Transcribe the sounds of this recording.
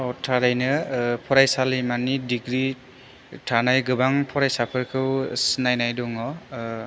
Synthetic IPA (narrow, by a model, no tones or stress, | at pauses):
ɔtʰaɾajnɯpʰɔɾajsalimanidiɡɾi | tʰanajɡɯbaŋpʰɔɾajsapʰɯɾkʰɯwsinajnajdɔŋɔ